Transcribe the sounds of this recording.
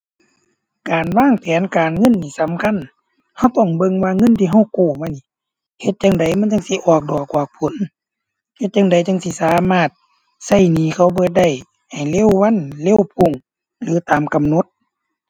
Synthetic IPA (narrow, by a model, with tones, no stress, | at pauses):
kaː˨nwaː˧˥˨ŋp̪ʰɛː˨˦nkaː˨nŋɤ˧˥˨nːiː˧˩sa˨˦mkʰa˧˥˨n | ha˧˩wt̪ɔ˧˩ŋbɤ˧˨ŋwaː˧˥ŋɤ˧˥˨nt̪ʰiː˧ɦa˧˩wkoː˧˩ma˧˨ni˧˨ | he˧˦t̪̚t͡ɕa˧ŋda˨jma˧˥˨nt͡ɕa˧˨ŋsi˧˦ʔɔː˨˩k̚dɔː˨˩kːwaː˧˩k̚pʰo˨˦n | he˧t̪̚t͡ɕa˧ŋda˨˩jt͡ɕa˧˨ŋsi˧˦saː˨˦maː˧˥˩t̪̚ | sa˧˩jniː˨˦kʰa˧˩wbɤː˧˦t̪̚da˧˩j | ha˨˩jle˧˥˨wːa˧˥˨nle˧˥˨wpʰo˧˩˨ŋ | lɯː˨˦t̪aː˨mka˨mno˧˦t̪̚